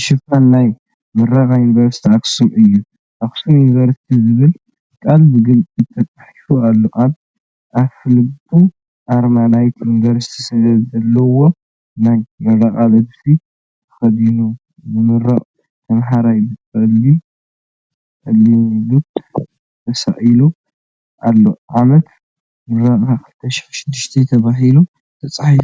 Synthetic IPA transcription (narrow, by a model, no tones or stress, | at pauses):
ʃɨfanːaj | mɐrɐkʼajunivɐɾsi̥t̪ʰiaksumɨjːu | ʔaksumjunivɐɾsi̥t̪ʰizɨβɨl | kʼalbɨɡɨlʼɨt̪ʰɐt͡sʼaħifualːoʔad | ʔaβfɨlɨɡt̪ʰʼu | ʔaɾmanajt̪ʰjunivɐɾsi̥t̪ʰi̥sɨdɐzɐlːɐwo̞ | najmɐrɐkʼalɐd̪si | t̪ʰɨ̥xɐd̪inu | nɨmɨɾɐχʼ | t̪ʰɐmɦaɾajbɨtʼɐlːi | ʔɐlːilut̪ | t̪ʰɐsɐ̰ʔʼilu | ʔalːoʕamɐt̪ | mɨɾɐkʼakɨlɨt̪ʰːɐʃi̥xʃɪd̪ːiʃt̪ʰet̪ʰɐβaɦilu | t̪ʰɐt͡sʼaħif